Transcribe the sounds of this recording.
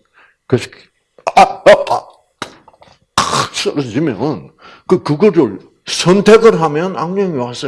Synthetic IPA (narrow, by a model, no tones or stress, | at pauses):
kɯsʰi̥ | sʌɾʌd͡ʑimjʌn | kɯkɯɡoɾɯɭ | sʰʌntʰeɡɯɾɦamjʌnaŋɲʌŋiwas͈ʌ